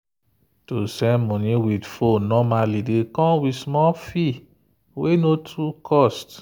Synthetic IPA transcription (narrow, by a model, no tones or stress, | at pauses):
tosɛmɔ̃nĩwidfonɔmalidekɔ̃wismɔfi | wenotʰukʰɔst